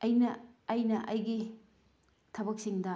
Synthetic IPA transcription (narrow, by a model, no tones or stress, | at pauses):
ɐjnɐːjnɐʔɐjɡi | tʰɐβɐk̚siŋdɐ